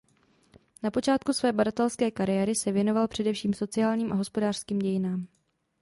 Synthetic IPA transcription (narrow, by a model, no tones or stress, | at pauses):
napo̞t͡ʃaːt̪̚kusvɛːbadat̪ɛlskɛːkaɾɪjɛɾɪsɛvjɛno̞valpr̝̥ɛdɛfʃiːmso̞t͡sɪjaːlɲiːmʔaɦo̞spo̞daːr̥skiːmɟɛjɪnaːm